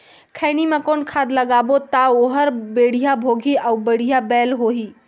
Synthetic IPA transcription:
kʰəɪnimekonkʰad̪ləɡabot̪aoɦəɾbeɽ̤ijabʱoɡʱiʔaubəɽ̤ijabɛlɦoɦi

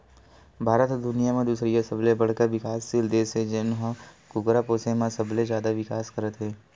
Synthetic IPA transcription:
bʱaːɾət̪d̪ʊnijamẽd̪uːsɾijasəblẽbɐɽ̤kəɾʋɪkaːsːild̪eːsed͡ʒenɦə̃kʊɡɾapoːsemãsəblẽd͡ʒjaːd̪aʋɪkaːskəɾət̪ɦeː

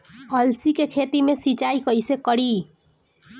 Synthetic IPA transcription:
ʌlsikekʰet̪imesit͡ʃajkʌjsekʌɽi

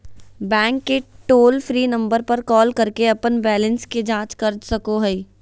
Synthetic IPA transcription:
bɛ̃ːŋkːeʈoːlfʰɾiːnɐ̃mbəɾpɐɾkɔːlkɐɾkeɐpənbɛːlə̃nsked͡ʒãːt͡ʃkɐɾd͡ʒsɐkoɦɛi

